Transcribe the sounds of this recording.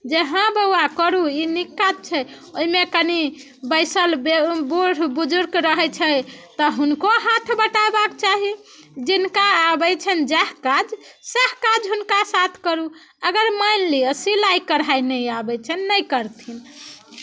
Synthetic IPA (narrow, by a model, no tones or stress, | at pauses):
d͡ʒeɦãbəakəɾuinikːat̪̚t͡ʃʰɛ | oimekəni | bəjsəlbebuɽ̤bud͡ʒuɾɡɾəɦɛt͡ʃʰət̪ɔɦunkoɦat̪ʰbəʈaebakt͡ʃaɦi | d͡ʒinkaːbɛt͡ʃʰənd͡ʒɛɦkad͡ʒsəhkad͡ʒɦunkasat̪ʰkəɾu | əɡəɾmajnliəsilajkəɾɦajnəjabɛt͡ʃʰənːəjkəɾt̪ʰin